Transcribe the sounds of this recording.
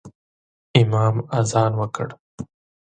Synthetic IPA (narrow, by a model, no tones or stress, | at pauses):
ɪmɑːmazɑːnwəkə̰ɽ